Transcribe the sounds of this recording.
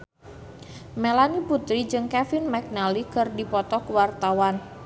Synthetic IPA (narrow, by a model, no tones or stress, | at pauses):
melaniput̪ɾid͡ʒɨŋkɛfinmɛk̚nalikɨrdipɔt̪ɔkəwart̪awan